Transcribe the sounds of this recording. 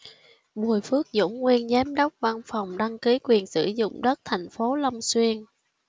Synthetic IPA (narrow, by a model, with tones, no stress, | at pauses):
ɓu˨˩əjfɨ˦˥ək̚zʊ̰˧˥ŋ͡mŋwi˧ənzɛ˨˦mɗə˦˥wk͡p̚va˧nfa˨˩wŋ͡mɗa˧ŋki˨˦kwi˨˩ənsɨ̰˧˩zʊ̰˧˨ŋ͡mɗə˦˥t̚t̪ʰɛ˨˩jŋ̟fo˨˦lə˧wŋ͡mswi˧ən